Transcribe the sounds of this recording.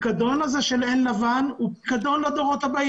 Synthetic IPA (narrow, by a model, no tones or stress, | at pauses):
kad̪o̞nazeʃelenlavanupkad̪o̞nlad̪oʁo̞t̪aba